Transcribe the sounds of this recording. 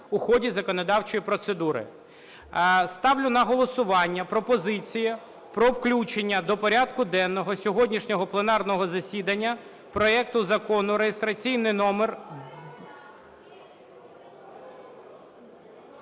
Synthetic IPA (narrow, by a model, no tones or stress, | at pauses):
ʊxɔdʲizɐkɔnɔd̪ɑwt͡ʃɔjipɾɔt̪sed̪uɾɪ̰ | st̪ɑwlʲʊnɐɦɔlˠɔsʊʋɑnʲːɐpɾɔpɔzɪt͡sʲijɪ | pɾɔwklʲut͡ʃenʲːɐd̪ɔpɔɾʲɑd̪kʊd̪ɛnːɔɦɔsʲɔɦɔdʲnʲiʃnʲɔɦɔplˠenɑrnɔɦɔzɐsʲid̪ɐnʲːɐ | pɾɔɛk̚t̪ʊzɐkɔnʊɾejest̪ɾɐt͡sʲijnɪjnɔmer